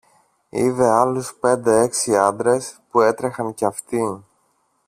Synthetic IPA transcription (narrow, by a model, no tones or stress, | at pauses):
ive̞ɐluspe̞nd̪e̞e̞ksiɐnd̪ɾe̞spue̞t̪ɾe̞xɐŋceɐft̪i